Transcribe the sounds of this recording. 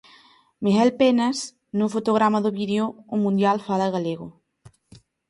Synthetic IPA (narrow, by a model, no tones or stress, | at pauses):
miɦɛlpenaz | nufot̪oɣɾamaðuβiðeoumːũnd̪jalfalaɣaleɣo